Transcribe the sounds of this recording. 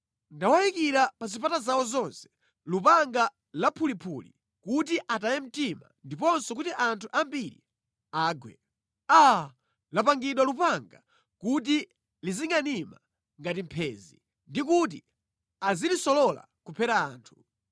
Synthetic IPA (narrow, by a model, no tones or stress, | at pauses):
ndawajikiɾapazipatazawɔzɔnsɛ̥ | lupaŋɡa | lapʰulipʰuli | kutiʔatajɛm̩tima̰ndipɔnsɔk̬utiʔantʰuʔambiɾḭ | aːɡwɛ̰ | a | lapaŋɡiɗwalupaŋɡa | kut̬i | liziŋɡanima | ŋɡatimpʰɛːzḭ | ndik̬ut̬i | azilisɔlɔla̰kupʰɛɾaaːntʰu̥